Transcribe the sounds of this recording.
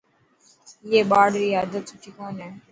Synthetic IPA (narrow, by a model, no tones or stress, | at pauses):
eːɓaːɽɾiːaːd̪ət̪sʊʈʰiːkoːnẽː